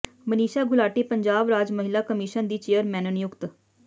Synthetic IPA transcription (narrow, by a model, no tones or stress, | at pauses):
məniːʃaːɡʱʊlaːʈeːpəɲd͡ʒaːbɾaːd͡ʒməɦɪlaːkəmɪʃənd̪iːt͡ʃeːəɾmɛːnənɪjʊkt̪